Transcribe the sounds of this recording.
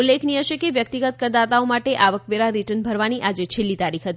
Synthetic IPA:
ulːekʰniɦəʃekeʋjək̚t̪iɡət̪kəɾd̪at̪aomaʈeʔaʋəkʋeɾaɾiʈənbʱəɾʋaniʔad͡ʒet͡ʃʰelːit̪aɾikʰɦət̪ii

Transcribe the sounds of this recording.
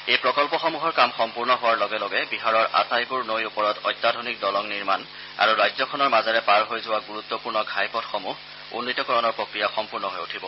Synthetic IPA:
ejpɹɔkɔlpɔxɔmuɦɔɹkamxɔmpuɹnɔɦʊwaɹlɔɡɛlɔɡɛbiɦaɹɔɹʔa̰sajpuɹnojupɔɹɔtɔjt̪ːadʱonik̚dɔlɔŋniɹman | a̰ɹuɹajzɔkʰɔnɔɹmazaɹɛpaɹɦojzʊwaɡuɹut̪ːɔpuɹnɔɡʱajpɔtxomuh | ṵnːitɔkɔɹɔnɔɹpɹokɹijaxɔmpuɹnɔɦojutʰibɔ

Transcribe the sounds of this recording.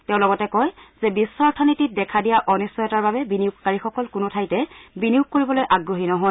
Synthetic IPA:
tɛʊ̃lɔɡɔtɛkɔjz̥ɛbisːɔɹtʰɔnitit̚dɛkʰadijaʔɔnisɔjɔtaɹbabɛbiniukkaɹixɔkɔlkʊnʊtʰajtɛbiniuk̚koɹibɔlojʔaɡɹoɦinɔɦɔj

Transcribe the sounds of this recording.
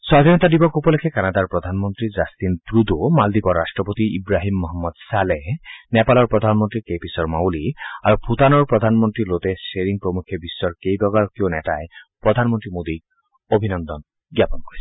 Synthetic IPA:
swad̪ʱɔnɔt̪adibɔkopɔlekʰɛkanad̪aɹpɹɔd̪ʱanmɔnt̪ɹizast̪inpɹud̪umald̪ipɔɹasʈɹɔpot̪iibɹaɦimːɔɦɔmːɔd̪salenɛpalɔɹpɹɔd̪ʱanmɔntɹikejpisɔɹmawliaɹupʰut̪anɔɹpɹɔd̪ʱanmɔntɹilot̪ɛseɹiŋpɹɔmukʰjɔbisːɔɹkejbɔɡaɹkionɛtaepɹɔd̪ʱanmɔntɹimod̪i | obʱinɔnd̪ɔn | ɡjapɔnkoɹisɛ̥

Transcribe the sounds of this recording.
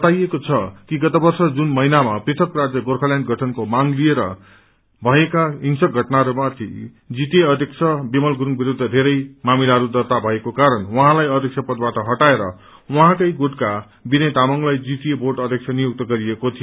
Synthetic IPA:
ʌt̪ajekot͡sʰʌkiɡʌt̪abʌrsʌd͡zunmʌɦinamaprit̪ʰʌkrad͡zjʌɡorkʰʌljanʈɡʱʌʈʰʌnkomaŋlieɾʌ̰ | bʱʌekaiŋsʌk̚ɡʱʌʈnaɾomat̪ʰḭ | d͡zit̪ijeʌd̪ʱjekt͡sʰʌbemʌlɡuɾuŋbiɾud̪ʱːʌd̪ʱeɾʌjmamilaɾud̪ʱʌrt̪abʱʌekokaɾʌnwʌɦãlajʌd̪ʱeksʰʌpʌd̪baʈʌɦʌʈaeɾʌ̰ | wʌɦãkʌjɡoʈka | binʌjt̪amʌŋlajd͡zit̪ijeboʈʌd̪ʱjek̚t͡sʰʌnijok̚t̪ʌɡʌɾiekot̪ʰijo

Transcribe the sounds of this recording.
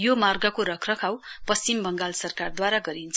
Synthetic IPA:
jomarɡʌkoɾʌkʰrʌkʰawpʌst͡simbʱʌŋɡalsʌrkard̪waɾaɡʌɾint͡sʰ

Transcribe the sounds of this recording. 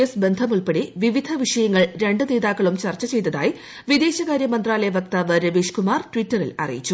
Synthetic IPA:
ɐsbe̞nd̪ʱɐmuɭpeɽiʋiʋid̪ʱɐʋiʂɐjɐŋːɐɭɾe̞ɳɖɨne̞ːðaːkːɐɭumt͡ɕɐrt͡ɕːɐt͡ɕe̞jt̪ɐða̰ːji | ʋid̪e̞ːɕɐɣaːɾjɐmɐnd̪raːlɐjɐʋɐkt̪aːʋɐɾɐʋiːʂkumaːrʈwitːɐrilɐ̰rḭjit͡ɕːu

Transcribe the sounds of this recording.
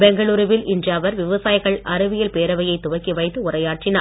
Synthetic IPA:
bɛŋɡɐɭuːɾɯʋɪlʔɪndrjaːʋɐɾʋɪʋɐsaːjɣɐɭʔɐɾɯʋɪjɐlpeːɾɐʋɐjɐɪt̪ːʊʋɐkːiʋɐɪt̪ːɯʊrɐjaːʈrɪnaː

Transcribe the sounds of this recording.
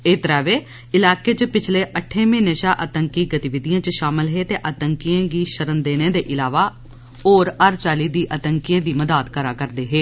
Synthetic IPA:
eːt̪ɾɛːʋeː | ɪlaːkeːt͡ʃpɪt͡ʃʰleːʔəʈʰːẽːmẽːnəʃaːʔət̪əŋkiːɡət̪ɪʋɪd̪ijãːt͡ʃʃaːmɪlɦeːt̪eːʔət̪əŋkijãːɡiːʃəɾənd̪eːnẽːd̪eːʔɪlaːʋaː | oːɾəɾt͡ʃaːliːd̪iːʔət̪əŋkijãːd̪iːməd̪aːt̪kəɾaːkəɾd̪eːɦeː

